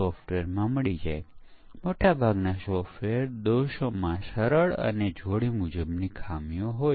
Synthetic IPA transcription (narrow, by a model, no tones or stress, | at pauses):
ɔfʈʋeɾmãməɭid͡ʒa̰j | moʈabʱaɡnasɔfʋeɾd̪oʃomãsəɾəɭə̰ned͡ʒʱoɭimud͡ʒəbnikʰamjõɦoj